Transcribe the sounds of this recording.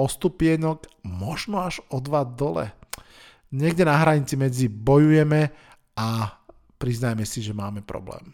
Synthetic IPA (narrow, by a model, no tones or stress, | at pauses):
ɔst̪upɪɛɲɔkmɔʒnɔaʒɔd̪ʋad̪ɔlɛ̰ | ɲɛɡɟɛnaɦɾaɲit͡simɛd͡zibɔjujɛmɛ | a | pɾiznajmɛsiʒɛmaːmɛpɾɔ̰blɛ̰ːm